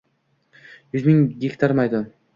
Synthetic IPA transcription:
jʉzmiŋɡʲekt̪ʰaɾmajd̪ʊ

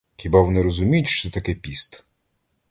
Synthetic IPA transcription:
xʲibaʋɔnɪɾɔzʊmʲijʊtʲʃt͡ʃɔɛt̪ɐkɛpʲist̪

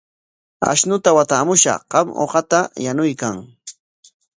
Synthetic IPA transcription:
a̰ʃnʊt̪awat̪aːmʊʃɑ̰ɢ̥ɑmo̰ɢɑt̪ajanʊjkaŋ

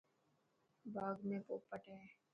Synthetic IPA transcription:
baːɡmẽpoːpːəʈɦɛː

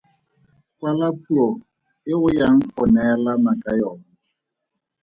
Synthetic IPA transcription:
kʼwalapʰʼuɔ | ɪɣʊjaŋ̩pʊnɛlamakʼajɔːna

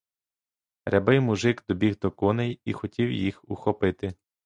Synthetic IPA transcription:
ɾʲɛbɪjmuʒɪɡd̪ɔbʲiɦd̪ɔkɔnɛjixɔtʲiwjixuxɔpɪt̪ɪ

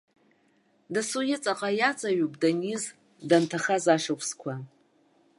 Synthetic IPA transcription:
dasujɪt͡sʼaqʼajat͡sʼaɥupʼdaniz | dantʰaχazaʂakʷʰskʷʰa

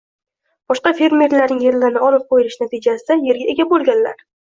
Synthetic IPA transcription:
b̥ɒʃqɑfe̞ɾmeɾlaɾnɪŋje̞ɾlɪnɪɒlɪp̚qʰojɪlɪʃnat̪ʰɪd͡ʒasɪd̪aje̞ɾɡʲae̞ɡʲabolˠɡʲanla̰ɾ

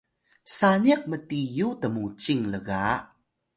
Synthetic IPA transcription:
saniak̚mətijutəmut͡ɕiŋləɣa

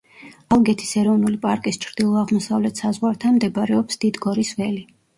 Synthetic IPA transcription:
alˠɡɛt̪ʰi̥sɛɾɔvnulipʼaɾkʼist͡ʃʰɾd̪̥ilˠɔaʁmɔsavlɛt̪ʰsazʁwaɾt̪ʰanmd̪ɛbɾɛɔpsd̪̥id̪ɡɔɾisvɛli

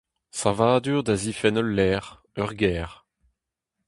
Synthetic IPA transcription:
savaːd̪yːʁd̪azifɛnɔlːɛːʁ | œʁɡɛːʁ

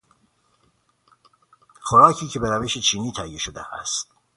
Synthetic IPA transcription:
xoɾɑːkʰiːcʰebeɾæveʃet͡ʃʰiːniːt̪ʰæjeʃod̪eʔæ̰st̪̚

